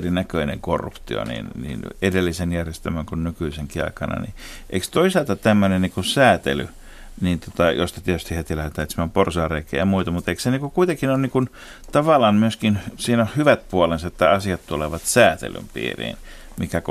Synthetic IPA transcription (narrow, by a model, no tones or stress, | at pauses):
rinækøinḛŋkorːṵpt̪io̰nḭnnḭːnedelːisenjærjest̪æmæŋkunnykyiseŋkiɑ̰ikɑnɑ̰nḭʔḛikst̪oisɑlt̪ɑt̪æmːønenniːkusæːt̪ḛly | niːnt̪ot̪ɑjost̪ɑt̪iet̪y̥st̪ihet̪ilæt̪æyt̪smæmporsɑːreikiḛːjɑmuit̪ɑmut̪eikseniŋkukuit̪ekinonnikun | t̪ɑʋɑlɑːnmyøskinsiːnæhyʋæt̪̚puolensɑet̪ːæɑsiɑt̪t̪uleʋɑt̪sæːt̪ḛly̰mpḭːrḭːn | mikæk